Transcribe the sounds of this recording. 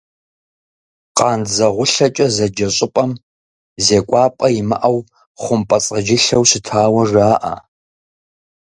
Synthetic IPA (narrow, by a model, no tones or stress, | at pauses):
qʼɑːnzɐʁʷʊɬɐt͡ʃʼɐzɐd͡ʒɐɕʼɪpʼɐm | zeːkʷʼɑːpʼɐjɪmɐ̰ʔɐw | χʷʊmpʼɐt͡sʼɐd͡ʒɪɬɐwsɪtʰaːwɐraːʔɐ̰